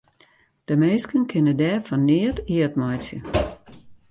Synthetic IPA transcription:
d̥əmeːskənkʰɪnədɛːfɔnːɪətiətmajsjə

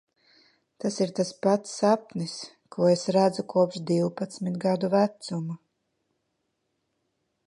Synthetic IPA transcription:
t̪asiɾt̪aspat̪sapnis | kuɔesɾæd̪zukuɔpʃd̪iwpat̪smit̪ɡad̪uvæt̪sumu

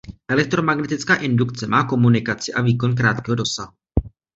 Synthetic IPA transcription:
ʔɛlɛk̚t̪ɾo̞maɡnɛt̪ɪt͡skaːʔɪndukt͡sɛmaːko̞munɪkat͡sɪʔaviːko̞nk̬ɾaːt̪kɛɦo̞do̞saɦu

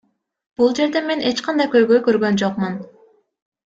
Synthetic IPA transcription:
b̥ulˠd͡ʒe̞ɾd̪ɛmenet͡ʃqʰɑnd̪ɑjkʲøjɡøjkʲøɾɡʲønd͡ʒoqmun

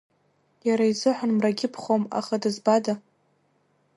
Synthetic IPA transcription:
jaɾaizɨħʷanmraɡʲɪpʰχoma̰χadɨzbada

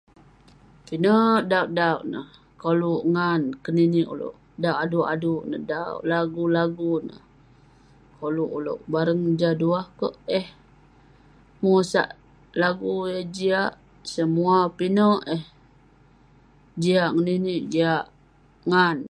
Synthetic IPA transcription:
pinəʔdauʔdauʔnə̰h | koluʔŋankəniniʔṵlo̰ʔ | dawʔaduʔa̰duʔnə̰da̰ʔlaɡulaɡunə̰h | koluʔulo̰ʔbaɾəŋd͡ʒaduahkəʔɛh | musa̰ʔ | laɡujəd͡ʒiaʔ | səmuapinəʔɛh | d͡ʒiaʔŋəniniʔd͡ʒiaʔ | ŋan

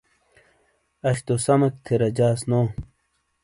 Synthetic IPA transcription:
ɐɕt̪osɐmɐk̚t̪ʰeɾɐd͡ʑaːsnoː

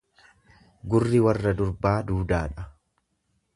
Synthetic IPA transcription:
ɡʊrːɪwɐrːɐd̪ʊɾbaːd̪uːd̪aːᶑɐ

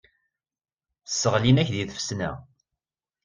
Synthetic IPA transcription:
sːəʁlinæçðiθə̥fsnæ̰

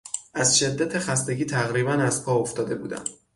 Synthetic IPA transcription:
ʔæzʃe̞d̪ːæt̪ʰexæst̪e̞ɟiːt̪ʰæɣɾiːβænæzpʰɒːoft̪ɒːd̪e̞bṵːd̪æ̰m

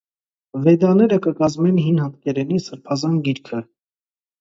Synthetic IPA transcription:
vɛd̪ɑnɛɾəkəkɑzmɛnɦinhɑt̪kɛɾɛnisəɾpʰɑzɑnɡiɾkʰə

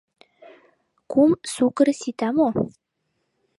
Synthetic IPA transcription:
kʰumsukəɾsit̪amo

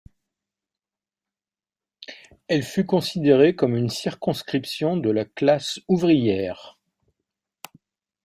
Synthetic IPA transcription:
ɛlfykɔ̃sid̪eʁekɔmynsiʁkɔ̃skχipsjɔ̃d̪əlaklasuvʁijɛːʁ

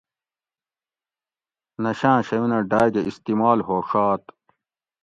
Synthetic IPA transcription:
nɐɕãːɕɐwinɐɖaːd͡ʑeist̪imaːlɦoːʂaːt̪

